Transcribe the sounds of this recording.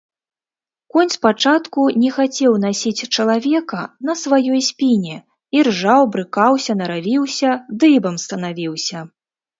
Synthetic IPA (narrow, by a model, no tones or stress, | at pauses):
kɔnʲspat͡ʂat̪kunʲɛxat͡sʲɛwnasʲit͡sʲt͡ʂɐlˠavʲɛkɐnɐsvajɔjsʲpʲinʲɛ | irʐawbɾɨkawsʲɐnɐɾavʲiwsʲɐd̪ɨbɐmst̪ɐnavʲiwsʲɐ